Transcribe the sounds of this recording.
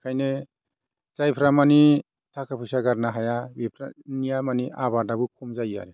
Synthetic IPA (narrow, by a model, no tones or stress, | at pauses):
kʰajne | zajpʰɾamani | tʰakʰapʰɯjsaɡaɾnaɦajabipʰɾa̰nijamaniʔaβadabɯkʰumzaja̰ɾe